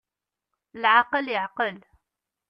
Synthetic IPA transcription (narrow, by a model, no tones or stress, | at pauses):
lʕaqəljəʕqəl